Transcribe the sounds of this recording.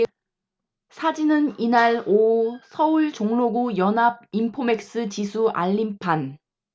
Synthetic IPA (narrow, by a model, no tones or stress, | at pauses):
sʰad͡ʑinɯninaɭosʰʌuɭt͡ɕoŋloɡujʌnɦab̚impʰome̞k̚s͈ɯt͡ɕisʰuʔa̰ʎːimpʰan